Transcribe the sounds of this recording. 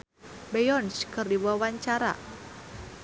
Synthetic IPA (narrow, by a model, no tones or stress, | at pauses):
bɛjɔnskɨrdiwawaɲt͡ʃaɾa̰